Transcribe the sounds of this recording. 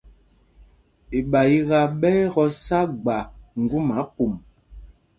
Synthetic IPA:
e˨ɓa˨i˦ɣa˨ɓɛː˦ɣɔ˦sa˦ɡ͡ba˨ŋ̩˨ɡu˦ma˨˦ku˨m

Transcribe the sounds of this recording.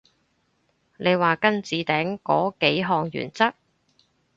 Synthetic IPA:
ne˨˧jwaː˨kɐ˥nt͡siː˨˧t̪ɛː˨˥ŋkɔ̰ː˨˥ke˨˥jɦɔː˨˩ŋjy̰ː˨˩nt͡sɐ˥k̚

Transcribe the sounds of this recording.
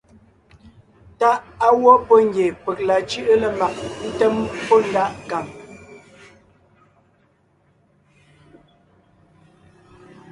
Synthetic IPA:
ta˦ʔa˦wɔ˦pɔ˦ŋ˦ɡje˨pɛ˨k̚la˨t͡ʃʉ˦ʔə˦lə˨ma˨k̚n̩˦tɛ˦mpɔ˦n˦da˦˨ʔka˨m

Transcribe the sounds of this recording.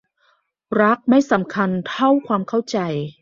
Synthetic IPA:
ɾa˦˥k̚ma˥˩jsa˩˦mkʰa˧nt̪ʰa˥˩wkʰwaː˧mkʰa˥˩wt͡ɕa˧j

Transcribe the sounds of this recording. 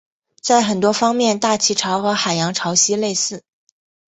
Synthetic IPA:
t͡sa˥˩ɪxə˨˩nt̪wɔ˥fɑ˥ŋmjɛ˥˧nt̪a˥˩t͡ɕʰi˧˥ʈ͡ʂʰɑ˧˥ʊxɤ˧˥xa˨˩ɪjɑ˧˥ŋʈ͡ʂʰɑ˧˥ʊɕi˥le˥˧ɪsɹ̩˥˩

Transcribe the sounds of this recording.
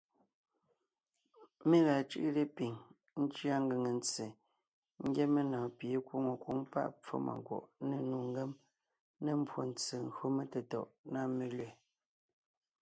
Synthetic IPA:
me˦la˨t͡ʃʉ˦ʔle˦pi˨ŋ | n̩˦t͡ʃja˦ŋ̩˦ɡe˨ŋe˨n˦t͡se˨ | ŋ̩˦ɡje˦me˦nɔ̃ː˨pje˨kwo˦ŋo˨kwo˦ŋpa̰˦˨ʔp͡fo̰˦mʔa̰˨ŋ˨kwɔ̰˨ʔne˨nu˨ŋ˦ɡe˦m | ne˨m̩˦bwo˨n̩˦t͡se˨ŋ̩˦ɣo˦me˦te˨tɔ̰˨ʔna˦˨me˦le˨

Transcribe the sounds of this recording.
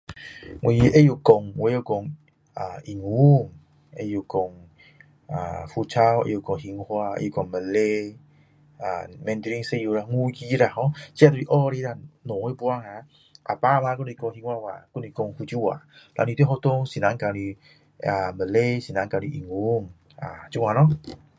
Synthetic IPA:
ŋwi˧ʔe˦ju˧kɔ˧ŋwe˧˦o˧kɔ˧ŋ | a˨i˨ŋu˨˦ŋ | e˧ju˨˧kɔ˨ŋ | a̰˨fu˧t͡sʰa˦wḛ˧ju˧˨kɔ˨ŋhi˧ŋhwa˧ḛ˧˦ju˧˨kɔ˨ŋmə˨nle˧ | a˨mɛ̃˧nt̪ɾi˧ŋse˧ju˧ɾa˧˨ŋu˦ɡi˧˦ɾa˧˨ɦɔ̃˧˦t͡ɕi˦a˧t̪u˧i˧ʔɔ˦ɾe˧˦ɾa˧nɔ̃˨ŋe˦bu˧a˧˨ŋa˧˦ | ʔa̰˨pa˦˧mã˧ku˦n˧i˧kɔ˧ŋhi˧ŋhwa˧wa̰˨ku˧˦ni˧kɔ˧ŋhu˧t͡ɕi˦wa̰˨la̰˧n˧i˧˦e˦ɦɔ˧t̪o˧ŋsi˨nã˨˦ŋka˧ɾi˧ | a˨mə˨le˧si˨nã˨˧˦ŋka˧i˧˨ʔi˨˩ŋu˧˦ŋ | a˨t͡ɕu˧˦ŋwa˧nɔ˦

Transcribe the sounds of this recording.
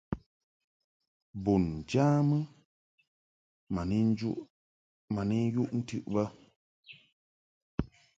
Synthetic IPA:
bu˨n̩˨d͡ʒaː˦mɨ˦ | ma˨n˦d͡ʒṵ˦ʔ | ma˨ni˦ju˦ʔn̩˦tʉ˦˨ʔbə˦

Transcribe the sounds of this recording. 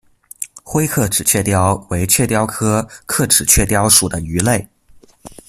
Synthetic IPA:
xwe˥ɪkʰɤ˥˩ʈ͡ʂɻ̩˨˩t͡ɕʰɥɛ˥˧t̪jɑ˥ʊwe˧˥ɪt͡ɕʰɥɛ˥˩t̪jɑ˥ʊkʰɤ˥kʰɤ˥˩ʈ͡ʂɻ̩˨˩t͡ɕʰɥɛ˥˩t̪jɑ˥ʊʂu˨˩d̪ə˦y˧˥le˥˩ɪ

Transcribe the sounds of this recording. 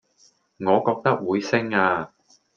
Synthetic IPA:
ŋɔː˨˧kɔː˧k̚t̪ɐ˥k̚wuː˨˧jsɪ˥ŋaː˧

